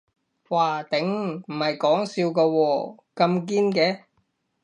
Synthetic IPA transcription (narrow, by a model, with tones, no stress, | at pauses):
waː˨t̪ɪ˨˥ŋm̩˨˩hɐ˨jkɔː˨˥ŋsiː˧wkaː˧wɔː˧ | kɐ˧mk̬iː˥nkɛː˧